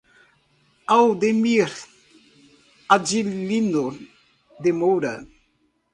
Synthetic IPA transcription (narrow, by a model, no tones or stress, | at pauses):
awd̪emiɾ | ad͡ʒilino | d̪emowɾa